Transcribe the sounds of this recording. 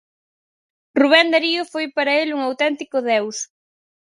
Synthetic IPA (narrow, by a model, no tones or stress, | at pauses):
ruβ̞ɛnd̪aɾiʊfojpaɾɐeluŋawt̪ɛnt̪ikʊðɛws